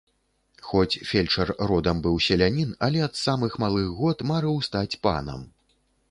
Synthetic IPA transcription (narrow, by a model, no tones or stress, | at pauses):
xɔt͡sʲfʲelʲt͡ʂɐrrɔd̪ɐmbɨwsʲɐlʲanʲinɐlʲɛɐt̪samɨxmalˠɨɣɣɔt̪maɾɨwst̪at͡sʲpa̰nɐ̰m